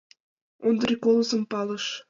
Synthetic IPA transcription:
ond̪rʲikolˠozə̆mpɑləʃ

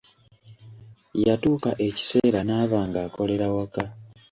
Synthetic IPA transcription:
jatuːkaʔe̞ci̥se̞ːɾanaːβaːŋɡaːko̞le̞ɾawaka

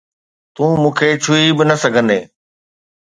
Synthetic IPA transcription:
t̪ũːmũːkʰet͡ɕʰʊibɪnɐsɐɡʱə̃nd̪eː

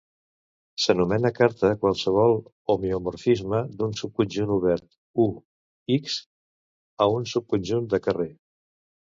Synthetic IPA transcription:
sənumɛnəkaɾt̪əkwalˠsəβ̞ɔlˠ | umiumuɾfizməd̪unsup̚kunʲʒunuβ̞ɛɾt̪ | u | iks | əunsup̚kunʲʒund̪əkəre

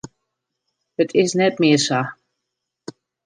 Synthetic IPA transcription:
ət̪ʰɪsnɛtmɪsa

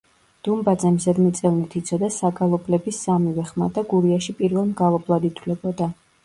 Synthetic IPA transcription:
d̪̥umbad̪zɛmzɛd̪mɛt̪sʼɛvnit̪ʰit̪sʰɔd̪asaɡalˠɔblɛbisːamivɛχmad̪aɡuɾiaʃipʼiɾvɛlˠmɡalˠɔblˠad̪it̪ʰwlɛbɔd̪a

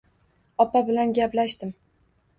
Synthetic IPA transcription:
ɒpabɪlanɡʲaplaʃt̪ɪm

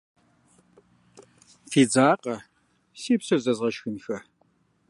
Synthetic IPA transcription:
fiːd͡zaːqʼɐ | siːpsɐzɐzʁɐʃxɨnxɐ

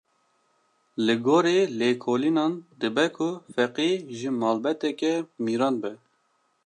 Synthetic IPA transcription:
lɨɡoːɾeːleːkʰoːlinɑːnd̪ɨbɛkʰʊfɛqiːʒɨmɑːlbɛt̪ɛkɛmiːɾɑːnbɛ

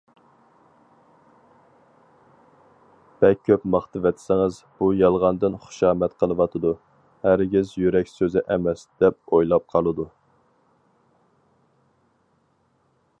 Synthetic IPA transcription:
b̥ɛkʲʰːøpmɑχt̪ɨvɛt̪sɪŋɨzb̥ujɑlˠʁɑnd̪ɨnχʊ̥ʃɑːmɛt̪qʰəlˠɨwɑt̪ʰɨd̪u | hæɾɡʲɪzjyɾɛkʲsøzɪʔɛmɛsd̪̥ɛp̚ojlˠɑp̚qʰɑlˠɨd̪u

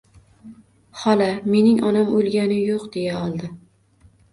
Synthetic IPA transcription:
hɒlˠame̞nɪŋʔɒnamolˠɡʲanɪjoqd̪e̞jaɒlˠd̪ɪ

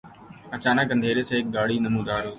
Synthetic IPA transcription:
ət͡ɕaːnəkə̃nd̪ʱeːɾeːsẽːɪk̚ɡaːɽiːnəmũːd̪aːɾuː

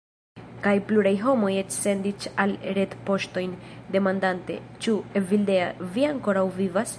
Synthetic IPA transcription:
kajpluɾajɦo̞mo̞jet͡ʃse̞ndit͡ʃalɾe̞tpo̞ʃto̞jnde̞mandante̞̰t͡ʃuevilde̞aviaŋko̞ɾawvivas

